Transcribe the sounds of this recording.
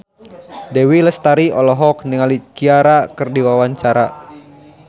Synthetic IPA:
dɛwiləst̪aɾiɔlɔɦɔk̚niŋalikiaɾakɨrdiwawaɲt͡ʃaɾa

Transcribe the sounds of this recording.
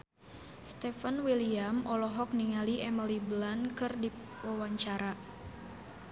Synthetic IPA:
st̪ɛfanwiliamʔɔlɔɦɔk̚niŋaliɛməlibəlankɨrdi | wawaɲt͡ʃaɾa

